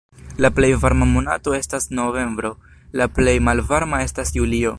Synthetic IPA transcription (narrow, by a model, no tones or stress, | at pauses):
laple̞jvaɾmamona̰to̞e̞stasno̞ve̞mbɾo̞ | laple̞jmalvaɾmae̞stasjulio̞